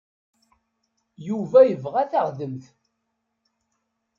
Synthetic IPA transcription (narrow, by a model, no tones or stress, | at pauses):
juvæjəvʁæθaʁðəmθ